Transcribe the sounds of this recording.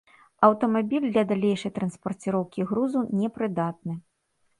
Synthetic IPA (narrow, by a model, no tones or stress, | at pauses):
ɐwt̪ɐmabʲilʲd̪lʲɐd̪alʲejʂɐjt̪ɾɐnspɐrt͡sʲiɾɔwkʲiɣɾuzunʲɛpɾɨd̪at̪̚nɨ